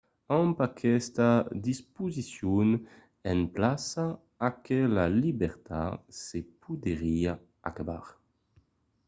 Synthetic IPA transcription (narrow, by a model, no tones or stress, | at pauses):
ampakʰɛst̪ad̪ispuzisjun | ɛnplasaː | kʰelalibɛʁt̪a̰sepʰud̪eʁia | a̰kaba̰ʁ